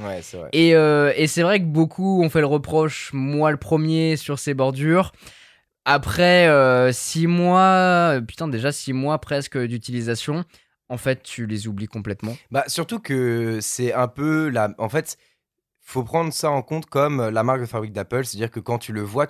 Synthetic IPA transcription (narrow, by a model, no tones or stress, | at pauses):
wɛsɛvʁɛ̰eøesɛvʁɛkəbokʰuɔ̃fɛləʁəpχɔʃmwaləpχəmjesyʁsebɔʁd̪yːʁ | apχɛøsimwapy̥t̪ɛ̃d̪eʒasimwapχɛskəd̪yt̪ilizasjɔ̃ | ɑ̃fɛt̪ːylezublikɔ̃plɛt̪mɑ̃basyʁt̪ukəsɛɛ̃pølaɑ̃fɛt̪ | fopχɑ̃d̪ʁəsaɑ̃kɔ̃t̪kɔmølamaʁk̚d̪əfabʁik̚d̪apœlse̥t̪ad̪iʁkəkɑ̃t̪yləvwa